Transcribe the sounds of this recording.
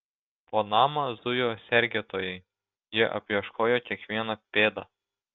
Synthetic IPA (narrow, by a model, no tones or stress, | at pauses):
poːnɑːmɐzʊjoːsʲɛɾʲɡʲɛt̪oːjɛɪ | jiɛʔɐ̰pʲjɛʃkʰoːjoːkʲiɛkʋʲiɛnɐpʲeːd̪ɐ